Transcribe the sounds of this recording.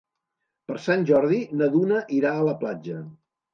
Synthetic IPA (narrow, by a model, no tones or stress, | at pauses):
pəɾsanʲʒɔɾðinəðunəʔiɾaələplad͡ʒə